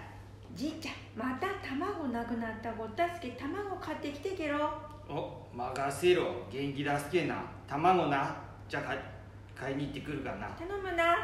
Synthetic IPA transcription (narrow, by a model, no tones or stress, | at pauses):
d͡ʑit͡ɕa | mat̪at̪amaɡo̞nakɯ̟nat̪ːaɡo̞t̪ːasɨ̥ket̪amaɡo̞kʰat̪ːe̞kʲi̥t̪e̞ke̞ɾo | o | maɡaseɾoɡẽ̞ŋkʲid̪asɨ̥kena̰t̪amanona | d͡ʑak | kʰaiɲ̟iːt̪ːekɯ̟ɾɯ̟kana̰t̪anomɯna